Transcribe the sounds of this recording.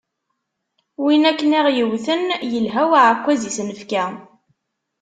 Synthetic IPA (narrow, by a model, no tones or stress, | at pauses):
winækːəniʁjəwθənjəlɦæwaʕəkʷːæzisnəfkæ